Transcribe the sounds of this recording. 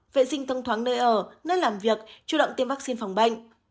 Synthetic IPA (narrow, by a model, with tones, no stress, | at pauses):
vḛ˧˨sï˧ŋ̟t̪ʰə˧wŋ͡mt̪ʰwaː˨˦ŋnəː˧jʔəː˧˩nə˨˦˥laː˨˩mvi˨˩ək̚t͡ɕu˧˩ɗə̰˧˨wŋ͡mt̪i˧mvaː˦˥k̚si˧nfa˨˩wŋ͡mɓa˧jŋ